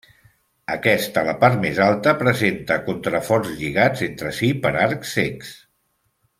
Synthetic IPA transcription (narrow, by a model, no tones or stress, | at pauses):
əkɛst̪ələpaɾt̪mezalˠt̪əpɾəzent̪əkunt̪ɾəfɔrzʎiɣ̞ad͡zent̪ɾəsipəɾaɾkseks